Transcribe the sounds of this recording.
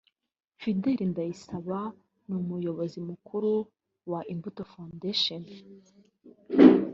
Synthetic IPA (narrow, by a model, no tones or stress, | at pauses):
fideɾindajisaβa | numujo̞βo̞zimukʰuɾu | waʔimbutofãndeʃon